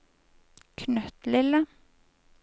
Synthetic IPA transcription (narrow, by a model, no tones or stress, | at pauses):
kʰnœt̪lɪlːə